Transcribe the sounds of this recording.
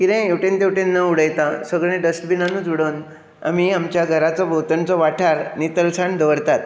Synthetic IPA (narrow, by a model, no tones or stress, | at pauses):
kiɾẽewʈẽnt̪ewʈẽnːəuɽəjt̪ãsəɡɭ̃ẽɖəsʈbʱinanũd͡zuɽən | a̰miamt͡ɕjaɡʱəɾat͡sɔbʱot̪əɳt͡sɔʋaʈʰaɾnit̪əlsaɳd̪əʋəɾt̪at̪